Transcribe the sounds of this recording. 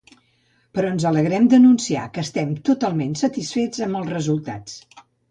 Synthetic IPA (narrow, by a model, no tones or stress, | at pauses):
pəɾɔənzələɣɾɛmd̪ənunsia̰kəːst̪ɛmt̪ut̪alˠmensət̪isfed͡zəmbəlˠzrəzulˠt̪a̰t͡s